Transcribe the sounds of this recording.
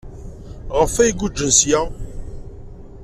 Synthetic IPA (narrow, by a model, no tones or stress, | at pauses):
ʁəfæjiɡud͡ʒːənsja